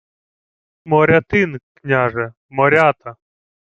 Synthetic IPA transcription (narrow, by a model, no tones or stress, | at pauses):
mɔɾʲɐt̪ɪnknʲaʒɛ | mɔɾʲat̪ɐ